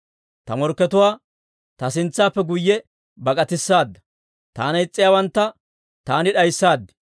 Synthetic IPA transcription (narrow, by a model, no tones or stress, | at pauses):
t̪ɐmɔɾkːɛt̪ʊwaː | t̪ɐsɪnt͡sːaːpːɛɡʊjːɛ | bɐkʼɐt̪ɪsːaːd̪ːɐ̥ | t̪aːnɐɪt͡sʼːɪjaːwɐnt̪ːɐ | t̪aːnɪɗɐjsːaːd̪ːɛ̥